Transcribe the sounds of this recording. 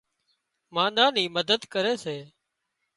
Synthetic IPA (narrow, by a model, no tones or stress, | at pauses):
mãːɗãːniːməd̪əd̪kəɾeːseː